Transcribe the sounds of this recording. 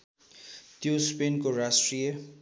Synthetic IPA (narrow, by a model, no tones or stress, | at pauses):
t̪jospenkoɾasʈɾijə